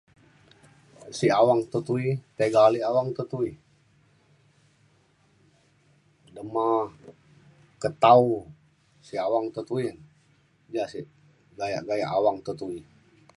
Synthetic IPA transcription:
siawaŋt̪ət̪uit̪eɡaliawaŋt̪ət̪ui | dəma | kət̪au | siawaŋt̪ət̪uin | d͡ʒasi | ɡaja̰ʔɡaja̰ʔawaŋt̪ət̪ui

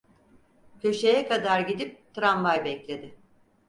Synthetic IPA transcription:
pʰøʃe̞jɛkad̪aɾɟid̪ip̚t̪ʰɾanvajbɛclʲe̞d̪ɪ

